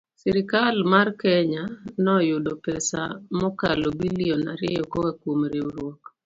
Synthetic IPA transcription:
sɛɾɪkalmarkɛɲanɔjʊdɔpɛsa̰mɔkalɔbiliɔnaɾɛ̰ɔkɔkakwomɾeuɾwɔk

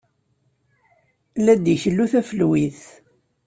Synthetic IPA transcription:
læd̪içlːuθæfəlwiθ

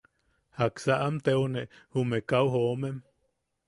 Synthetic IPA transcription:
haksaʔamt̪euneʔhumekauhomem

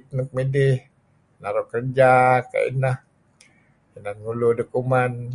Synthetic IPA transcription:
t̪̚nək̚midɪh | naɾʊkərd͡ʒaka̰ḭnah | inanŋuludəkuman

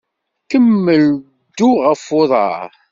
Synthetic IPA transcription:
kəmːəl | d̪uʁəfoðˤɑ̰ɾ

